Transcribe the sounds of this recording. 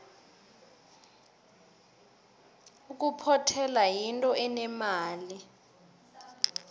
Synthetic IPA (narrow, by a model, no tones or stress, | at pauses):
uk̬ʼupʰɔtʰɛlajintʼɔʔɛnɛmaːli